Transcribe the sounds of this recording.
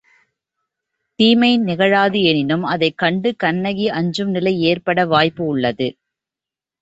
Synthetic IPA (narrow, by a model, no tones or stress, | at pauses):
t̪iːmɐɪnɪɣɐɻaːðɯɛnɪnɯmɐðɐɪkːɐɳɖɯkɐɳːɐɣiʔɐɲd͡ʒɯmnɪlɐɪeːrpɐɽɐʋaːjpɯʊɭːɐðɯ